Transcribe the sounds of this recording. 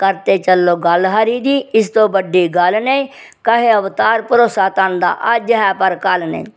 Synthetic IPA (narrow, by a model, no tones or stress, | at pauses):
kəɾt̪eːt͡ʃəlːoːɡəlɦaɾiːd̪iːɪst̪õːbəɖːiːɡəlne | kəɦeəʋt̪aːɾpʊɾoːsaːt̪ənd̪a̰ːʔad͡ʒəɦɛːpəɾkəlnḛ